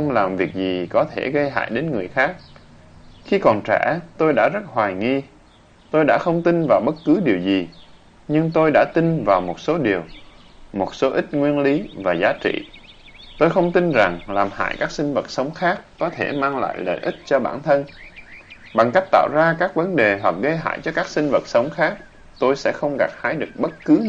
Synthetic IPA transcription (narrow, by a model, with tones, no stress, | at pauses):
xə˧wŋ͡mlaː˨˩mvi˨˩ək̚zi˨˩kɔ˨˦t̪ʰe˧˩ɣə˧jɦa̰ː˧˨jɗe˨˦nŋɨ˨˩əjxaː˦˥k̚ | xi˧kɔ˨˩nt͡ɕɛ̰˧˩˥t̪o˧jɗa̰ː˧˥zə˦˥t̚ɦwaː˨˩jŋi˧ | t̪o˧jɗa̰ː˧˥xə˧wŋ͡mt̪i˧nvaː˨˩wɓə˦˥t̚kɨ˨˦ɗi˨˩əwzi˨˩ | ɲɨ˧ŋt̪o˧jɗa̰ː˧˥t̪i˧nvaː˨˩wmo˨˩t̚so˨˦ɗi˨˩əwmo˨˩t̚so˨˦ʔï˦˥t̚ŋwi˧ənli˨˦vaː˨˩zaː˨˦t͡ɕḭ˧˨ | t̪o˧jxə˧wŋ͡mt̪i˧nza˨˩ŋlaː˨˩mha̰ː˧˨jkaː˦˥k̚sï˧ŋ̟və˨˩t̚sə˨˦wŋ͡mxaː˦˥kːɔ˨˦t̪ʰe˧˩maː˧ŋla̰ː˧˨jlə̰˧˨jʔi˦˥t̚t͡ɕɔ˧ɓa̰ː˧˩nt̪ʰə˧n | ɓa˨˩ŋka˦˥k̚t̪a̰ː˧˨wzaː˧kaː˦˥k̚və˨˦nɗe˨˩ɦwa˨˩k̚ɣə˧jɦa̰ː˧˨jt͡ɕɔ˧kaː˦˥k̚sï˧ŋ̟və˨˩t̚sə˨˦wŋ͡mxaː˦˥k̚ | t̪o˧jsɛ̰˧˥xə˧wŋ͡mɣa˨˩p̚haː˨˦jɗɨ˨˩ək̚ɓə˦˥t̚kɨ˨˦